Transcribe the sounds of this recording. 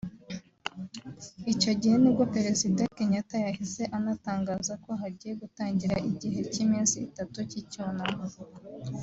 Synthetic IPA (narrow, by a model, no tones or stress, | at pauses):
ico̞ɟihe̞nibɡopeɾe̞zidakeɲakajahize̞ʔanataːŋɡaːzako̞ɦaɾɟiːje̞ɡutaːɲɟiɾaʔiɟiɦe̞cimiːnsiːtatuciconam